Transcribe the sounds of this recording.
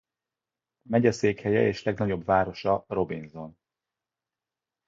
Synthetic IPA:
mɛɟɒseːkhɛjɛ̰eːʃlɛɡnɒɟo̞bvaːɾo̞ʃɒro̞binzo̞n

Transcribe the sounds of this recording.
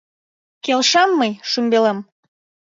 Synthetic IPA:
kelʃɑmːəjʃymbelem

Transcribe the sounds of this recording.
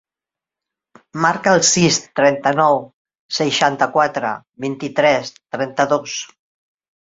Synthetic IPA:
maɾkəːlˠsist̪ɾɛnt̪ənɔw | səjʃant̪əkwat̪ɾə̰ | βint̪it̪ɾɛst̪ɾɛnt̪əðos

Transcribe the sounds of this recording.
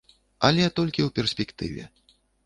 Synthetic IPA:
ɐlʲɛt̪ɔlʲkʲiwpʲɛrsʲpʲɛkt̪ɨ̰vʲɛ̰

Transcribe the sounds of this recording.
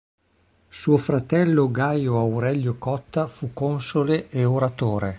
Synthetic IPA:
suofɾat̪ɛlːoɡajoawɾɛʎːokɔt̪ːafukːonsoleʔeoɾat̪oːɾe

